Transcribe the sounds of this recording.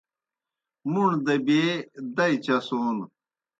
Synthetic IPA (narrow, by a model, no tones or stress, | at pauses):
muɳd̪ɐbeːd̪ɐit͡ɕɐsoːn